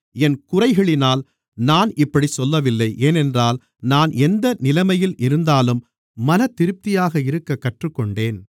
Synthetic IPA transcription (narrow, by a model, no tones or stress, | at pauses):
ɛnkʊrɐɪɣɐɭɪnaːl | naːnɪpːɐɽisɔlːɐʋɪlːɐɪʔeːnɛndraːl | naːnʔɛnd̪ɐnɪlɐmɐjɪlʔɪɾɯnd̪aːlɯmː | ɐnɐt̪ːɪɾɯp̚t̪ɪjaːɣɐɪɾɯkːɐkːɐʈrɯkːɔɳɖeːn